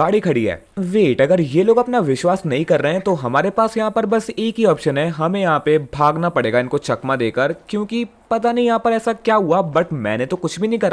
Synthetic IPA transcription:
ɡaːɽikʰɐɽiɦɛ̰ː | ʋeːʈɐɡəɾjeloːɡɐpnaʋɪʃwaːsnɐɦĩkɐɾːəeɦɛ̃t̪oɦɐmaːɾepaːsjɐɦãpɐɾbɐseːkiɔːpʃənɦɛɦɐmẽjɐɦãpebʱaːɡnapɐɽeːɡaɪ̃nkot͡ʃɐkmad̪eːkəɾkjõːkipɐt̪anɐĩjɐɦãpɐɾɛːsakjaːɦuabɐʈmɛ̰̃ːnẽt̪okʊt͡ʃʰbʱinɐɦĩkɐɾaː

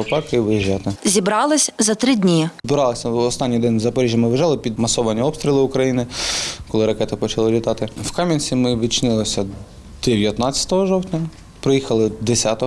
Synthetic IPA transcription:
ɔpɑkʋɪjiʒɑt̪ɪzʲibɾɑlˠɪsʲzɐt̪ɾɪdʲnʲibɪɾɑlˠɪsʲɐɔst̪ɑnʲːijd̪ɛnʲzɐpɔɾʲiʒʲjɐmɪʋɪʒɑlˠɪpʲid̪mɐsɔʋɐnʲiɔbpst̪ʲɾʲilˠɪʊkɾɐjinɪkɔlˠɪɾɐkɛt̪ɪpɔt͡ʃɐlˠɪlʲit̪ɑt̪ɪwkɑmʲinʲt͡sʲimɪʋʲid̪̚t͡ʃnɪlˠɔsʲɐ | d̪̥eʋʲjɐt̪nɑt͡sʲjɐ̥t̪ɔɦɔʒɔwt̪ʲnʲɐ | pɾɔjixɐlˠɪd̪esʲat̪ɔ

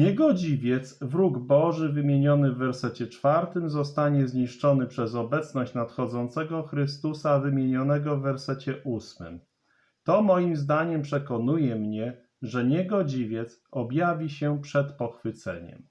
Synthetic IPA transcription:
ɲɛɡɔd͡ʑivʲjɛt̪svɾuɡbɔʐɘvɘmʲjeɲɔnɘvːɛɾsɛt͡ɕɛt͡ʂfaɾt̪ɘmzɔst̪aɲɛzɲiʂt͡ʂɔnɘpʂɛzɔbɛt̪snɔɕt͡ɕnat̪xɔd̪zɔnt̪sɛɡɔxɾɘst̪usavɘmʲjeɲɔnɛɡɔvːɛɾsɛt͡ɕɛʔusmɘ̰m | t̪ɔmɔjimzd̪aɲɛmpʂɛkɔnujɛmɲɛ | ʐɛɲɛɡɔd͡ʑivʲjɛt̪sɔbjavʲiɕɛpʂɛt̪pɔxfɘt̪sɛ̰ɲɛ̰m

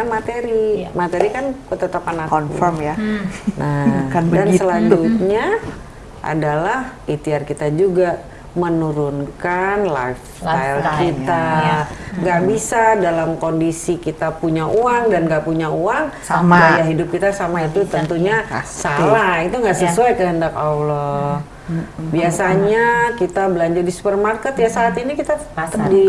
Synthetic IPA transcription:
mat̪eɾimat̪eɾikankət̪ət̪əpanakɔnkṵfɔmjanakanbdansəlaɲd͡ʒut̪̚ɲa | ʔa̰dalahit̪iarkit̪ad͡ʒuɡa | mənuɾʊnkanla̰jfstajlkit̪a | ŋɡaʔbisadalamkondisikit̪apuɲaʔuaŋdanɡaʔpuɲauaŋ | məbaaɦidʊp̚kit̪asamait̪ut̪ənt̪uɲasamait̪uŋɡaʔsəsuajkəɦəndakawlɔ | biasaɲakit̪abəlaɲd͡ʒardisu̥pərmarkət̪jasaːt̪inikit̪at̪ədi

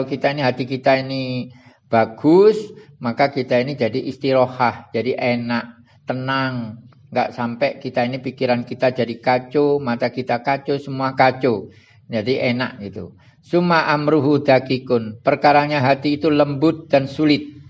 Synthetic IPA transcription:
lokit̪ainiɦat̪ikit̪aini | b̥aɡ̥ʊs | makakit̪ainid͡ʒadiʔist̪iɾohahd͡ʒadiʔenaʔ | t̪ənaŋ | ŋɡa̰ʔsampɛʔkit̪ainipikiɾankit̪ad͡ʒadikat͡ʃomat̪akit̪akat͡ʃosəmuakat͡ʃo | d͡ʒadiʔena̰ʔɡit̪ṵ | sumaʔamɾuɦud̪akikʊnpərkaɾaɲaɦat̪iːt̪uləmbʊt̪̚d̥ansulɪt̪̚

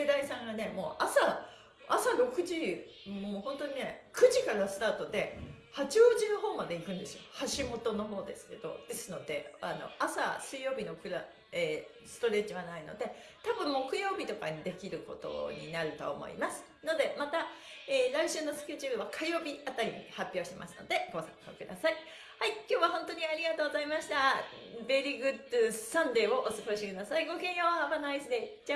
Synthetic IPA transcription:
ed̪aisãŋɡane̞mo̞̰ːʔasa | asaɾo̞kɯ̟ʑiohõ̞nt̪o̞ɲinekɯ̟ʑikaɾasɨ̥t̪aːt̪o̞d̪e̞hat͡ɕio̞ʑinoɦo̞ːmad̪e̞ikɯ̟̃nd̪e̞sɨjo̞haɕimo̞t̪o̞no̞ɦo̞ːd̪e̞sɨ̥ke̞d̪o̞̰d̪̥e̞sɨno̞d̪e̞ano̞̰asa̰sɨijo̞ːbʲino̞kɯ̟ɾa | eː | sɨ̥t̪o̞ɾe̞ːt͡ɕiβanaino̞̰d̪e̞ | t̪abɯ̟̃mːokɯ̟jo̞ːbʲit̪o̞kaɲid̪e̞kʲiɾɯ̟ko̞̰t̪o̞̰ɲ̟ḭnaɾɯ̟t̪o̰ːmo̞̰ḭmasɨ̥ | no̞d̪e̞mat̪aeːɾaiɕɨːno̞sɨ̥kʲe̞ʑɯɾɯ̟βakʰajo̞ːbʲiat̪aɾʲimʲiihapʲjo̞ːɕi̥t̪e̞ma̰sɨno̞d̪e̞ɡ̥o̞sã̰ŋkokɯ̟d̪a̰sai | haikʲo̞ːβahõ̞nt̪o̞ɲ̟iaɾʲiɡat̪oːɡozaimaɕi̥t̪a | be̞ɾʲiɡɯ̟t̪ːɯsãnɾe̞ːo̞ʔosɨɡo̞ɕikɯ̟d̪asaiɡo̞kẽ̞ɰ̃johabanoaisɨd̪e̞d͡ʑa

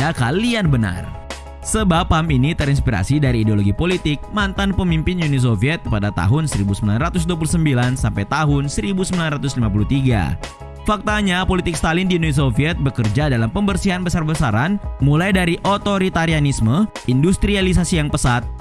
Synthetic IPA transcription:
akalianbəna̰r | səbapːaminit̪əɾinspiɾa̰sidaɾiːdeoloɡipolit̪ɪk̚mant̪anpəmimpɪnjunis̬ofiɛt̪̚padat̪a̰ɦʊnsəɾibusəmbilanrat̪ʊs̬duap̬ulusəmbilansampajt̪aɦʊnsəɾibusəmbilanrat̪ʊslimap̬ulut̪iɡa̰ | fak̚t̪aɲapolit̪ɪkst̪alɪndiunis̬ofiɛt̪̚bəkərd͡ʒadalampəmbərsiɦanbəsarbəsaɾanmulajdaɾiʔot̪oɾit̪aɾianisməindust̪ɾialis̬asijaŋpəsat̪̚

